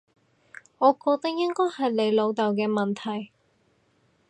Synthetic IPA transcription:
ŋɔː˨˧kɔː˧k̚t̪ɐ˥k̚jɪ˥ŋkɔː˥jhɐ˨jle˨˧jlo˨˧wt̪ɐ˨˩wkɛː˧mɐ˨nt̪ʰɐ˨˩j

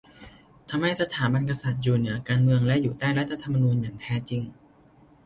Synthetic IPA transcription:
t̪ʰa˧mha˥˩jsa˧t̪ʰaː˩˦ba˧nka˧sa˨˩t̪̚juː˨˩nɯ˩˦ɐkaː˧nmɯ˧əŋlɛ˦˥ʔjuː˨˩t̪aː˥˩jɾa˦˥t̪̚ʰːa˧t̪ʰa˧mːa˧nuː˧njaː˨˩ŋt̪ʰɛː˦˥t͡ɕi˧ŋ

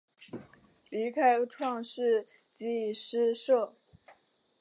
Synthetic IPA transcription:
li˧˥kʰa˥ɪʈ͡ʂʰwɑ˥˧ŋʂɻ̩˥˩ | t͡ɕi˥ʂɻ̩˥ʂɤ˥˩

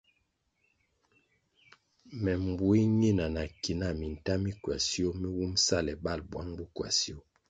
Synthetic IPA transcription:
mɛ˨m˨bu˨i˦ɲi˦˨na˨na˨ki˨na˦˨mi˨n̩˨ta˦mi˦kwa˨si˦o˦mi˦wu˦msa˦˨lɛ˨ba˦˨lbwa˦ŋbu˦kwa̰˨si˦o˦

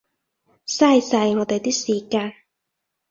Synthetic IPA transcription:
sɐː˥jsɐ˧jŋɔː˨˧t̪e˨jt̪iː˥siː˨kaː˧n

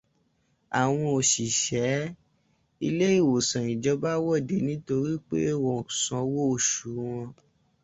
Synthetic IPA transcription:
a˨w̃ɔ̃˧o˨ʃi˨ʃɛ˨˦ | i˧le˦i˦˨wo˨sã˨ĩ˨d͡ʒɔ˨˦ba˦wɔ˦˨de˨˦nĩ˦to˧ɾi˦k͡pḛ˦wɔ̃˨sɔ̃˧˦wo˦o˨ʃu˨˦w̃ɔ̃˧

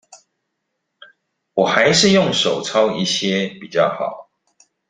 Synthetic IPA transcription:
wɔ˨˩xa˨˦ɪʂɻ̩˥˧˨jo˥˨ŋʂo˨˩ʊt͡sʰɑ˦˥ʊi˥˩ɕjɛ˦pi˨˩t͡ɕjɑ˥˩ʊxɑ̰˨˩˦ʊ

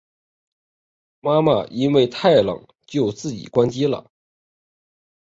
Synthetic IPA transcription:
ma˥ma̰˨˧ʔi˥nwe˥˧ɪt̪ʰa˥˩ɪlɤ̰˨˩ŋ | t͡ɕjo˥˧ʊt͡sɹ̩˥˩t͡ɕḭ˨˩kwa˥nt͡ɕi˥lə̰˨˩

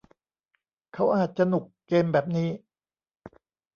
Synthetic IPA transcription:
kʰa˦˥wʔaː˨˩t̪̚t͡ɕa˧nu˨˩kːeː˧mbɛː˨˩p̚niː˦˥˩

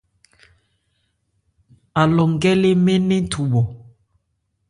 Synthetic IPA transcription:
a˨lɔ˨ŋ˦ɡɛ˦le˦me˦ne˦tʰu˨ɓɔ˨

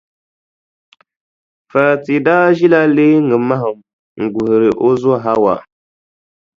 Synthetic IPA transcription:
fa˨ti˨daː˦ʒi˦la˦le˦ŋɨ˨ma˦ɦɨ˨m | ŋ̩˨ɡu˨hɪ˨ɾɪ˨ʔo˦zo˦˨ɦa˦wa̰˨

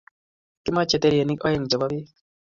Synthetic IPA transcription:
ki˦ma˦t͡ʃɛ˨t̪ɛ˦ɾije˨ni˦kɔ˦jɛ˦˨ŋd͡ʒɔ˨ba˦bi˦

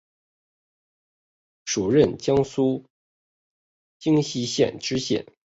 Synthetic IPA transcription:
ʂu˨˩ɻə˥˧nt͡ɕjɑ˥ŋsu˥ | t͡ɕi˥ŋɕi˧˥ɕjɛ̰˥˩nʈ͡ʂɻ̩˥ɕjɛ̰˥˩n

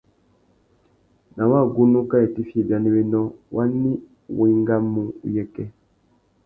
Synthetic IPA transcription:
na˨wa˦˨ɡu˦nu˦ka˦e˨ti˦fi˦e˨bja˨ni˦we˦nɔ̃˦wa˦ni˦˨ | wi˨˦i˦ŋɡa˦mːũ˦ṵ˦jɛ˦kɛ˦

